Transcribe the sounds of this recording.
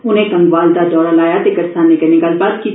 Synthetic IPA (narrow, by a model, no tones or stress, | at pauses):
ʊnɦẽkɐ̃ŋɡʋaːld̪ad̪ɔːɾalaːjat̪eɡɐɾsaːnekenɪɡaːlbaːd̪ki